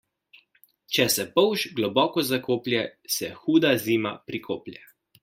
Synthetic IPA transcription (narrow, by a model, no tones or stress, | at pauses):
t͡ʃɛsɛpɔwʒɡlɔbɔːkɔzakoːplʲjɛsɛxuːd̪aziːma̰pɾikʰoːplʲjɛ